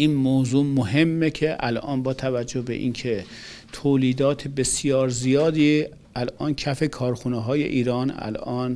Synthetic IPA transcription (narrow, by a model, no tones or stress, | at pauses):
iːnmoːzuːmoɦe̞mːecʰeʔælʔɒ̰ːnbɒːt̪ʰævæd͡ʒːohbḛʔḭːnkʰet̪ʰoːliːd̪ɒːt̪ʰebe̞sjɒːɾzijɒːd̪iː | ælʔɒːncʰæfekʰɒːɾxuneɦɒːjḛʔiːɾɒːnæ̰lʔɒːn